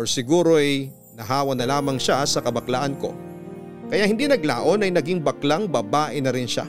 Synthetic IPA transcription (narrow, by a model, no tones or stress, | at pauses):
oɹsɪɡuːɾo̞ɐj | nɐɦaːwɐnɐlaːmɐŋʃasɐkɐbɐklaʔɐnko̞̰ | kɐjaʔhɪnd̪inɐɡlaːʔo̞nɐjnɐɡiŋbɐklaŋbɐbaːʔɪnɐɾɪnʃa̰